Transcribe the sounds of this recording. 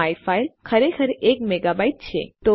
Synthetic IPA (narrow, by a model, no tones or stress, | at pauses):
ajfailkʰəɾekʰəɾʔekmeɡabaiʈ̚t͡ʃʰḛt̪o